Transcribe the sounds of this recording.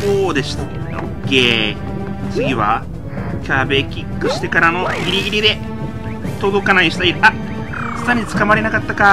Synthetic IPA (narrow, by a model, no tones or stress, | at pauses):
oːd̪e̞ɕi̥t̪ḁ | o̰kːe̞ː | t͡sɨɡʲiβa̰ | kʲabe̞kʲikːɯ̟ɕi̥t̪e̞kaɾano̞iɾʲiiɾʲid̪e̞ | t̪od̪o̞kanaiɕi̥t̪aiɾa | sɨ̥t̪aɲ̟it͡sɨ̥kamaɾe̞nakat̪ːaka